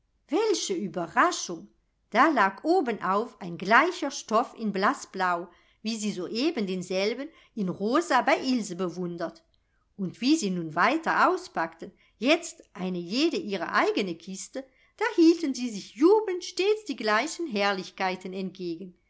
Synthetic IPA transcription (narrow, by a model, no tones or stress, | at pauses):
vɛlçəyːbɐʁaʃʊŋ | d̥aːlaːkʔoːbənʔaʊfaɪnɡlaɪçɐʃtɔfɪnblasb̥laʊ | viːziːzoːʔeːbəndeːnzɛlbən | ɪnʁoːzabaɪʔɪlzəbəvʊndɐt | ʔʊntv̥iːziːnuːnvaɪtɐʔaʊspaktən | jɛt͡stʔaɪnəjeːdəʔiːʁɐ̰ʔaɪɡənəkʰɪstə | d̥aːhiːltənziːzɪçjuːbəntʃteːt͡sd̥iːɡlaɪçənɦɛɐlɪçkaɪtənɛnt̚ɡ̥eːɡən